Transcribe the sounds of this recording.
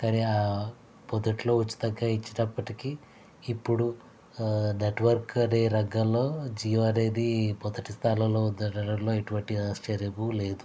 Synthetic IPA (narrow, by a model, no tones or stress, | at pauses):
kɐniaː | pɔd̪ɐʈilo̞ːut͡ʃːi̥d̪ɐɡːaːit͡ʃːiʈɐpːɐʈikiː | pːuɽu | neʈʋɐɾkɐɾeɾɐɡɐlːo̞ːd͡ʒiːʋɐɾeːd̪ipɔd̪ɐʈist̪ʰaːlɐlo̞ːud̪ɐɽɐɽɐlo̞ːeʈuʋɐɳʈiɐst͡ʃeɾibule̞ːd̪u